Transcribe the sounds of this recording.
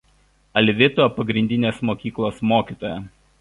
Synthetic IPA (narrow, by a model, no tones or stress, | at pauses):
ɐlʲʋʲɪt̪opɐɡɾʲɪnʲd̪ʲɪnʲeːsmoːkʲiːklˠoːsmoːkʲiːt̪oːjɛ